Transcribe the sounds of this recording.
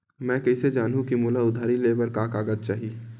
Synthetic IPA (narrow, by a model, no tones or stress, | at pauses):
mɛ̃ːkɐised͡ʒaːnɦũkimuːlaʊd̪ʱaːɾileːbəɾkaːkaːɡəd̪̚t͡ʃaːɦi